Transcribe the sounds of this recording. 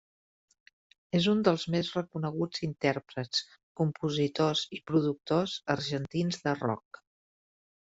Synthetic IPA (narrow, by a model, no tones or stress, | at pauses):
ezund̪əlˠzmezrəkunəɣ̞ud͡zint̪ɛɾpɾət͡s | kumpuzit̪ozipɾuðuk̚t̪ozəɾʒənt̪inzðərɔ̰k̚